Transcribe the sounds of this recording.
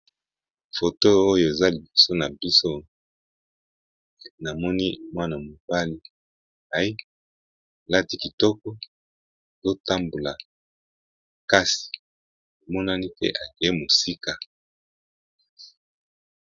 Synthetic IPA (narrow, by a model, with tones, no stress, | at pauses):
fo˨to˦o˦jo˦˨e˨za˦li˨bi˨so˦na˨bi˦so˦ | na˨mɔ˦ni˦mwa˦na˨mo˨ba˦li˦ | a˨˦i˦˨ | la˦ti˦ki˨tɔ˦kɔ˦˨ | zo˦ta˦mbu˨la˨ | ka˦si̥˨ | o˨mɔ˦na˦ni˦tḛ˦ʔa˨ɡi˨e˦mo˨si˦ka˨